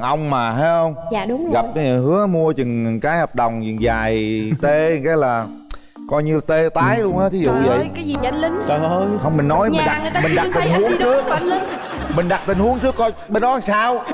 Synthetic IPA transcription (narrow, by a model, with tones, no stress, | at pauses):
ŋʔə˧wŋ͡mmaː˨˩ɦaː˨˦jhə˧wŋ͡mːʊ˨˦ŋ͡mɣa˨˩p̚ka˨˦ɲ˨˩ɦɨ˨˦əmu˧ət͡ɕɨ˨˩ŋ˨˩kaː˨˦jhəː˨˩p̚ɗə˨˩wŋ͡mt͡ɕɨ̰˨˩ŋzaː˨˩jt̪e˧˨˩kaː˨˦jlaː˨˩ | kɔ˧jɲɨ˧la˨˩t̪e˧t̪aː˨˦jlə˧nhaː˨˦˥t̪ʰi˨˦zṵ˧˨˧və̰˧˨jkaː˨˦ji˨˩a˨˦li˨˦ŋ˨˩ə˧hə˧wŋ͡mmï˨˩ŋnɔ˨˦jmi˨˩˨ɗa˨˩˨mi˨˩ɗa˨˩t̚t̪i˨˩˨ŋhu˨˦əŋt͡ɕɨ˦˥ək̚l | mï˨˩ŋ̟ɗa˨˩t̚t̪ï˨˩ŋ̟hu˨˦əŋt͡ɕɨ˦˥əkːɔ˧jɓe˧nɗɔ˨˦la˨˩ŋsaː˧w